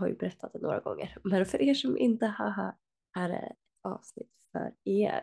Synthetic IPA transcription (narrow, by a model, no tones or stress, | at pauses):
aɾjɵbɛɾɛt̪ʰːat̪d̪ɛnoːɾaɡɔŋːəɾmɛnfœɾʔeːʂɔmʔɪnt̪əhaɦa | æɖɛ̰ɛt̪ɑːvsnɪt̪ːfœɾeːɾ